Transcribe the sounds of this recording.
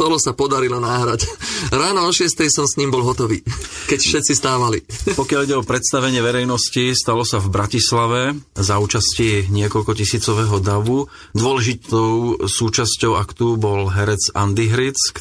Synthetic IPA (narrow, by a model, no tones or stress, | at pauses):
t̪ɔlɔsapɔd̪aɾilɔnaːɦɾacɾaːnɔɔʃɪɛst̪ɛjsɔmsɲiːmbɔlɦɔt̪ɔʋḭːkɛcfʃɛt̪sist̪aːʋalḭpɔkɪaliɟɛɔpɾɛt̪st̪aʋɛɲɪɛʋɛɾɛjnɔscist̪alɔsavbɾacislaʋɛzauːt͡ʃasciɲɪɛkɔlkɔcisiːt͡sɔʋɛɦɔd̪aʋu | d̪ʊɔlɛʒit̪ɔʊsuːt͡ʃascɔʊakt̪ubɔlɦɛɾɛt͡sa̰nd̪iɦɾit͡sk